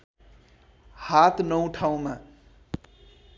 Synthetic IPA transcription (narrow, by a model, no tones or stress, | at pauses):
hat̪nʌw̃ʈʰaw̃ma